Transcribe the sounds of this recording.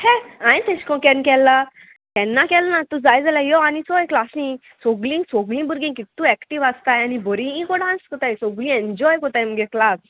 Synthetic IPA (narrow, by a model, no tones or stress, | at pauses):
hɛ̃ãt̪ɛ̃ɕkɔ̃kɛ̃nkɛlːa | kɛnːakɛlnat̪ud͡zajd͡zalajɔanisɔjklasĩ | sɔɡlĩŋɡsoɡlĩbuɾɡĩŋkit̪ːũɛkʈiʋast̪ajanibɔɾĩĩkɔɽãnskɔt̪ajsɔɡlĩẽɲd͡ʑɔjkɔt̪ajməɡɛklas